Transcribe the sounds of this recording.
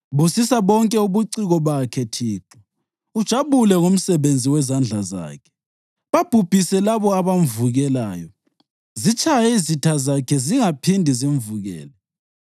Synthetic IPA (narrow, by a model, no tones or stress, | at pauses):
βusisaβɔŋkʼɛuβuǀiɣɔβakʰɛtʰiːǁɔ | ud̥ʒ̥ʱaβulɛŋom̩sɛβend͡zʱiwɛzand͡ɮʱaza̰ːkʰɛ̥ | βab̥ʱub̥ʱisɛlaβɔaβam̩vuɣɛla̰ːjɔ | zit͡ʃʰʼajɛizitʰazakʰɛziŋapʰindʱiziɱ̩vuɣɛ̰ːlɛ